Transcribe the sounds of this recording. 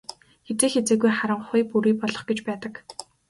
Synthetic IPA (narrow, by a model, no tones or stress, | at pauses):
xet͡seːxet͡seːɣujχaɾə̆ɴχʊjpuɾiːpɔɮɞ̆χɡet͡ɕpæːt̪ə̆k